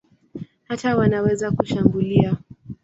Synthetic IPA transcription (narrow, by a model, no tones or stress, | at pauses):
hatawanawɛzakuʃambulia